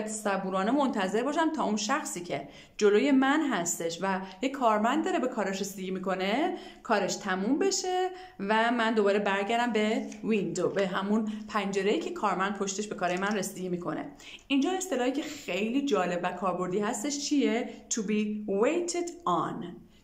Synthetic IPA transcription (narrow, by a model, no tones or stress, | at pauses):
t̪ʰsæbuːɾɒːnemo̞nt̪ʰæze̞ɾbɒːʃæmt̪ʰɒːunʃæxsiːcʰe̞ | d͡ʒo̞loje̞mænɦæst̪e̞ʃvæjekʰɒːɾmænd̪ːd̪ɒɾebe̞kʰɒːɾeʃɾesd̪eɟiːmiːko̞ne̞ | kʰɒːɾe̞ʃt̪ʰæmumbe̞ʃe̞ | væmænd̪o̞bɒːɾe̞bæɾɟæɾd̪æmbe̞vind̪obe̞ɦæmunpʰænd͡ʒe̞ɾejiːcʰe̞kʰɒːɾmænd̪̚pʰo̞ʃt̪eʃbe̞kʰɒːɾɒjemænre̞sid̪eɟiːmiːkʰo̞̰ne̞̰ | ind͡ʒɒːe̞st̪e̞lɒːhiːcʲʰe̞xe̞jliːd͡ʒɒːle̞bvækʰɒːɾbo̞ɾd̪iːhæst̪e̞ʃt͡ʃʰiet̪ʰubiːwejt̪ʰed̪ɒn